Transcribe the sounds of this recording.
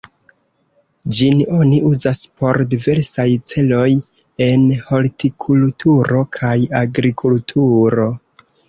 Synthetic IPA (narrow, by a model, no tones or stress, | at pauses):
d͡ʒino̞niʔuzaspʰo̞ɾdive̞ɾsajt͡se̞lo̞j | e̞nho̞ltʰikʰultʰuɾo̞kʰajaɡɾikʰultʰuɾo̞